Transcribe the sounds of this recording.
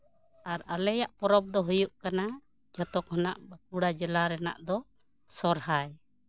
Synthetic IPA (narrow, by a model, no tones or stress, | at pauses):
aɾalɛjaʔpɔɾɔb̚d̪ɔɦujuʔkana | d͡ʒɔt̪ɔkɦɔnaʔbak̚uɽad͡ʒɛlaɾɛna̰ʔd̪ɔ | sɔɾhaj